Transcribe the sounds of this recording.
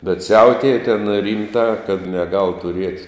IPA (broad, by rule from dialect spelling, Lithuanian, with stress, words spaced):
bʲɛt ˈsʲɛʊtʲeːjɛ tʲɛn ˈrʲiːmtɑː kɐt nʲɛˈɡɐlˠ tʊˈrʲiɛtʲ